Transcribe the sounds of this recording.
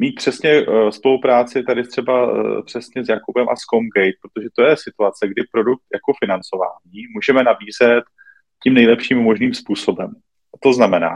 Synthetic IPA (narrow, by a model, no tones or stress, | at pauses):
miːt̪̚pr̝̥ɛsɲɛspo̞lupɾaːt͡sɪt̪adɪt̪r̥ɛba̰pr̝̥ɛsɲɛzjakubɛmʔa̰skomɡɛjt̪̚pɾot̪oʒɛt̪ojɛsɪt̪uat͡sɛɡdɪpɾo̞duk̚t̪jako̞fɪnant͡so̞va̰ːɲiːmuːʒɛmɛnabiːzɛt̪ | cimnɛjlɛpʃiːmːo̞ʒniːmspuːso̞bɛm | t̪o̞znamɛna̰ː